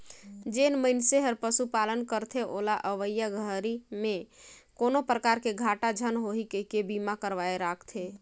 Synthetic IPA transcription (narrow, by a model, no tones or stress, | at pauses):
d͡ʒenməɪnseɦəɾpəsupalənkəɾt̪ʰeʔolaʔəʋəjəɡʱəɾimẽkonopɾəkaɾkeɡʱaʈad͡ʒʱənɦoɦikekebimakəɾʋaeɾakʰt̪ʰe